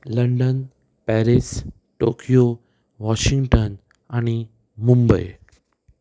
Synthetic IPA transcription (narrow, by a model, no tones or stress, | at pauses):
ləɳɖən | pɛɾis | ʈokijo | ʋɔʃĩŋɡʈən | aːñi | mũmbəj